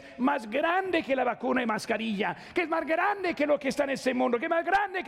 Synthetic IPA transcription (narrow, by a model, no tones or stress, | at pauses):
mazɡɾand̪ekelaβakunaimaskaɾiʎakeezmazɡɾand̪ekelokest̪anesemũnd̪okeezmazɡɾand̪ek